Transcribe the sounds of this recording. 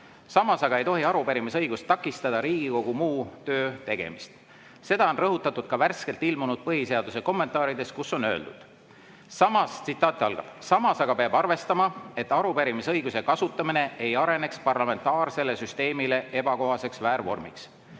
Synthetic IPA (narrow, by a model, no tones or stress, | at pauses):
sɑmɑsɑɡ̥ɑejt̪o̞ɦiɑɾupeɾimisɤjɡ̥ust̪ːɑkːˑist̪ɑd̪̥ɑɾiːɡ̥iko̞ɡumuːt̪ø̞ːt̪e̞ɡ̥e̞̰mist̪ | se̞d̪̥ɑo̞nrɤɦut̪ːˑɑt̪ːˑud̪̥kɑværske̞lt̪ilmunud̪̥̚pɤɦise̞ɑd̪̥use̞ko̞mːent̪ːˑɑːɾid̪̥e̞skusːo̞nø̞ːld̪ṵd̪̥ | sɑmɑst̪sit̪ːˑɑːt̪ːˑɑlɡ̥ɑ̰b̥sɑmɑsɑɡ̥ɑpeɑbɑrve̞st̪ɑmɑe̞t̪ːˑɑɾupeɾimisɤjɡ̥use̞kɑsut̪ːˑɑmine̞ejɑɾe̞ne̞kspɑrlɑme̞nt̪ːˑɑːrse̞le̞syst̪e̞ːmile̞ʔe̞b̥ɑko̞ɦɑse̞ksvæːɾvo̞̰rmḭks